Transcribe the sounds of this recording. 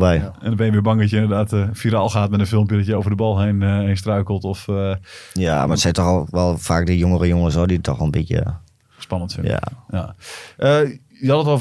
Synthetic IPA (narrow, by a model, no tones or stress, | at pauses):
bɛjɛndbɛnjəʋɪːbɑŋdɔtjəɪndərdaːtfiɾalˠxaːtmɛtənfɪlˠmpjədɔtjəoːvərdəbɔlˠɦeneːns̬trœɥkəlˠtɔf | ja̰matsɛtɔxʋɛlˠfaːk̚dəjoŋərəjoŋəsɔditʰɔ̰xʋɔlˠnbitjə̰ | spɑnəntfɪ̰nja̰aʔə | jɔlˠətɔ